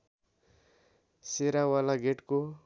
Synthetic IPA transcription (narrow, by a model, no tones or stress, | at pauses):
seɾawalaɡeʈko